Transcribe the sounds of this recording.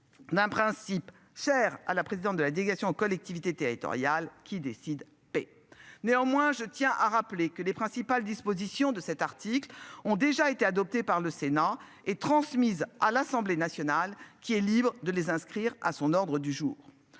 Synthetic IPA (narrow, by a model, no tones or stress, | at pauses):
d̪ɛ̃pχɛ̃sip | ʃɛʁa̰lapχezid̪ɑ̃t̪̚d̪əlad̪eleɡasjɔ̃kɔlɛk̚t̪ivit̪et̪eʁit̪ɔ̰ʁjalkʲid̪esid̪ | pɛ | neɑ̃mwɛ̃ʒət̪jɛ̃ʔaʁaplekəlepχɛ̃sipald̪ispozisjɔ̃d̪əsɛt̪aʁt̪iklɔ̃d̪eʒaet̪ead̪ɔp̚t̪epaʁləsena | et̪χɑ̃smizalasɑ̃blenasjɔnalkʲiɛlibʁəd̪əlezɛ̃skχiʁa̰sɔ̃nɔʁd̪ʁəd̪yʒuːʁ